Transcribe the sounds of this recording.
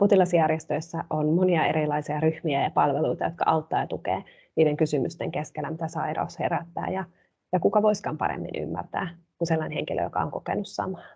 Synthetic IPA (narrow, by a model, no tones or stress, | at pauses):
pot̪ilɑsjærjest̪øisːæʔonmoniɑeɾilɑisiɑryhmiæjɑpɑlʋeluit̪ɑjot̪kɑ̰ʔɑut̪ːɑːjɑt̪ukḛː | niːɾeŋkysymyst̪eŋkeskelːæmit̪æsɑiɾɑ̰usheɾæt̪ːæ̰ːjɑ | jɑkukɑʋoiskɑːmpɑ̰ɾḛmːḭny̰mːæ̰rt̪æ̰ː | kuselːɑineheŋkilø̰jo̰kɑ̰oŋkokḛnussɑ̰mɑː